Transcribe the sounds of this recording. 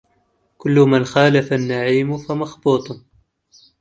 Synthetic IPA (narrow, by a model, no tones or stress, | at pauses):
kʊlːʊmanxaːlafanːaʕiːmʊfamɑxbuːt̪ˤ